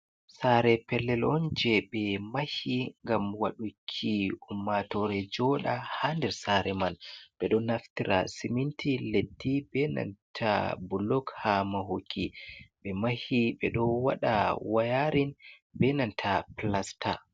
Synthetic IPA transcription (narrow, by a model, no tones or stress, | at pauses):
saɾɛpɛlːɛlɔnd͡ʒɛɓɛmahiŋɡamwaɗukʰːiumːatɔɾɛd͡ʒɔɗahandɛɾsaɾɛmanɓɛɗɔnaftiɾa̰simintʰiletːibɛna̰ntʰa̰bulɔkhamaɦokʰːiɓɛmahiɓɛɗɔwaɗawajaɾin | bɛnantʰaplastʰa